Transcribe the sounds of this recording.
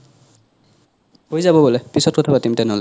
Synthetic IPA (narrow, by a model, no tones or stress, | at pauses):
ɦojzabɔbɔlepisɔt̚kɔt̪ʰabat̪imit̪enole